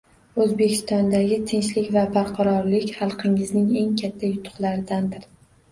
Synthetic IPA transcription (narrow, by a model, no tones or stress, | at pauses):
ɵzbe̞kʲʰɪ̥st̪ɒnd̪aɡʲɪt̪ʰenʃlɪkʲvabaɾqʰɑɾɒɾlɪkʲχɑlˠqʰɪŋɪznɪŋe̞ŋkʲʰat̪ʰːajʊt̪ʰʊ̥χlˠaɾɪd̪and̪ɪɾ